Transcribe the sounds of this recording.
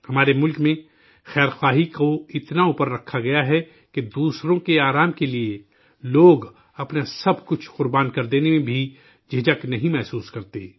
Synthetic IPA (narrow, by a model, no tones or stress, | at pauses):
hɐmaːɾemʊlkmẽ | xɛːɾxaːɦikoɪt̪nauːpəɾːɐkʰːaɡɐjaɦɛ | ked̪uːsɾõkeaːɾaːmkelie | loːɡ | ɐpnasɐbʱkʊt͡ʃʰqʊɾbaːnkɐɾd̪eːnemẽbʱi | d͡ʒed͡ʒaknɐɦĩmɛɦsuːskɐɾt̪e